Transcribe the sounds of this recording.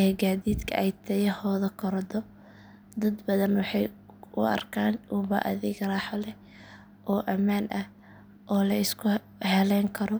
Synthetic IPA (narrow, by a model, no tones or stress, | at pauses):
ɛɡaːðiːd̪kʰɐʔɛjt̪ʰɐjɛhɔːðɐkʰɔɾd̪ɔ | d̪ɐd̪bɐðɐnwɑħɑj | ʊ̰ɐ̰rkʰaːnʔuːbɐ̰ʔɐ̰ðɪɡrɑːħɔlɛ | ʔɔːʔɐmaːnʔɐh | ʔɔːlɐɪskʰʊ | hɛlɛŋkʰɐɾɔ